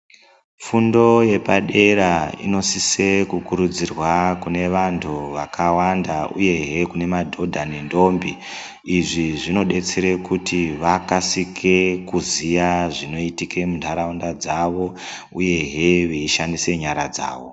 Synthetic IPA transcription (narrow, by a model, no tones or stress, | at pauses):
fundo̞je̞paɗe̞ɾaḭno̞sise̞kukuɾud͡zirwakune̞ʋantʰuʋakʰawandaṵje̞ɦekune̞madʱo̞dʱanendo̞mbiː | ʐiʐino̞ɗe̞t͡se̞ɾekutiʋakasikʰekuzijaʐino̞itike̞muntʰaɾaundad͡zaʋo̞ | uje̞ɦe̞ʋeiʃandise̞ɲaɾad͡za̰ːʋo̞